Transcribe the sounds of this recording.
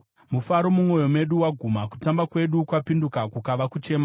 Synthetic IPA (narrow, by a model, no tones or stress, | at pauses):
mufaɾo̞mumo̞jo̞me̞ɗuwaɡʱumaku̥tambakwe̞ɗukwapindukakukaʋakut͡ʃe̞ma